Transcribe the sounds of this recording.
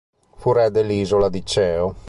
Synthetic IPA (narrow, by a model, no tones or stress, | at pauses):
fuɾɛd̪elːiːzolad̪it͡ʃɛːo